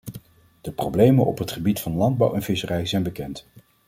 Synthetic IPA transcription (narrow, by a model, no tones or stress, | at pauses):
d̥əprowblejmənɔ̰pɦətχəbitfɑnlɑnd̚bɑ̰wɛnv̥ɪsərɛjzɛjnbəkɛnt